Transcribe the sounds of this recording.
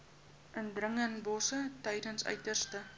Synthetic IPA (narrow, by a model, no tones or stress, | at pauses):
ʔəndrəŋənbɔsətəjdənsœ̰ɥtərstə